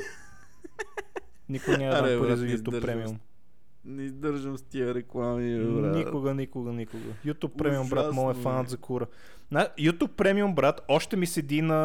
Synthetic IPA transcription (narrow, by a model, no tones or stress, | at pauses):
nikʊənʲaaɾizɐjuupːɾɛmium | nɛizd̪əɾʒəmst̪iəɾɛklˠamiɾnikʊɡənikʊɡənikʊɡə̰jut̪upːɾɛmiʊmbɾatmɔlɛfanət̪zɐkuɾə | najut̪ʲupːɾɛmiumbɾat̪ɔʃt̪ɛmisɛd̪inɐ